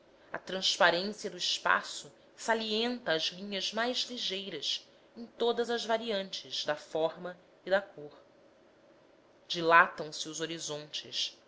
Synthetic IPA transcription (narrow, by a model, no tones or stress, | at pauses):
ɐ̰t̪ɾɐ̃spaɾẽsiɐd̪ʊiʃpa̰sʊ | saliẽnt̪ɐːzlĩɲɐzmajzliʒejɾɐs | ẽj̃t̪od̪ɐzɐzvaɾiɐ̃nt͡ʃɪz̥d̪ɐfɔɾmɐ | id̪ɐkʰoχ | d͡ʒilat̪ɐ̃w̃sɪʊzoɾizõnt͡ʃɪ̰ʃ